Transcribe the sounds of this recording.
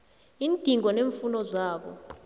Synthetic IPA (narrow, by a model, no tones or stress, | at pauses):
iːnd̥ʱiŋʱɔneɱfunɔzaːɓɔ̰